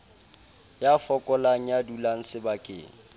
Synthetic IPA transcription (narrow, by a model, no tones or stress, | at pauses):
jafɔkʼɔlaŋ̩jadulaŋ̩sɪbakʼɪ̰ːŋ̩